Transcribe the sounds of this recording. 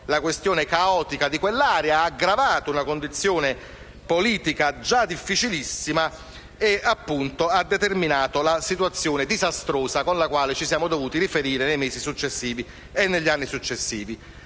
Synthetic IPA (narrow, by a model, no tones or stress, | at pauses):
lakwest̪joːnekaɔːt̪ikad̪ikwelːaːɾɛaaɡɾavaːt̪ounakond̪it̪sːjoːne | poliːt̪ikad͡ʒad̪ifːit͡ʃilisːima | eapːunt̪oad̪ːet̪erminaːt̪olasit̪wat̪sːjoːned̪izast̪ɾoːszakonlakwaːlet͡ʃisjaːmod̪ovuːt̪iɾifeɾiːɾenejmeːzisut͡ʃːesːiːvi | enːeʎːianːisut͡ʃːesːiːvi